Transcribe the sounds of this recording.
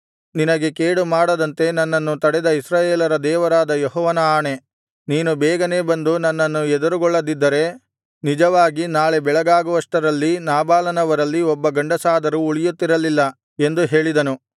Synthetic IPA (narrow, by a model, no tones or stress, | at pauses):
ninɐɡe̞keːɽumaːɽɐd̪ɐnt̪e̞nɐnːɐnːut̪ɐɽɛd̪ɐisɾaːjeːlɐɾɐd̪ɛːʋɐɾaːd̪ɐjɔɦɔːʋɐnɐaːɳe̞ | niːnubɛːɡɐne̞ːbɐnd̪unɐnːɐnːuɛd̪uɾuɡɔɭːɐd̪id̪ːɐɾe̞ | nid͡ʒɐʋaːɡinaːɭebɛɭɐɡaːɡuʋɐʂʈɐɾɐlːinaːbaːlɐnɐʋɐɾɐlːiɔbːɐɡɐɳɖɐsaːd̪ɐɾuːɭijut̪ːiɾɐlilːɐ | e̞nd̪uɦe̞ːɭid̪ɐnu